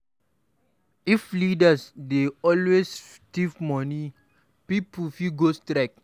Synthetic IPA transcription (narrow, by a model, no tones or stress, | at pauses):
iflidasdeɔlwes | tivmɔni | pipufiɡostɾɛk̚